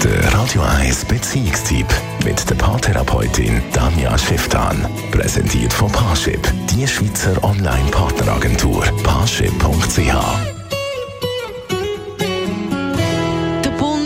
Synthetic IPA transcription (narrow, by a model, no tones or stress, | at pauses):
d̥ə̰ɾaːd̥joʔaɪsb̥ɛt͡siːɪkstʰip | mɪtd̥əpʰaːtʰɛɾɑ̰pʰɔʏtʰɪ̰nd̥anja̰ʃɪftʰa̰ːn | pʁɛ̰sɛ̰ntʰiːətfɔpʰaːʃɪ̰pd̥iəʃviːt͡səɾʔɔnla̰ɪnpʰaːɾtnəɾa̰ɡɛntʰuːɾpʰaːʃɪ̰pʰːʊŋktt͡seːha̰ː | d̥əbo